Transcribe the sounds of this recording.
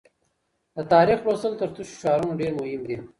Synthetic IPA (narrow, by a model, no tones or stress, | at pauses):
d̪ət̪ɑːɾixɾosəlt̪əɾt̪uʃʃɑːɾunaɖeːɾmʊhɪmd̪i